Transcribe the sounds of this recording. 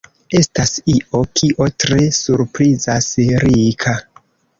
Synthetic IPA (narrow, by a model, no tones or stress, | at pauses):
e̞stasiʔo̞kʰiʔo̞tɾe̞suɾpɾizasɾikʰa